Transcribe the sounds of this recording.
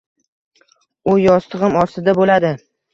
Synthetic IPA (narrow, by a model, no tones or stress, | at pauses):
ʊjɒst̪ʰɨʁɨmɒɾsɪd̪abolad̪ɪ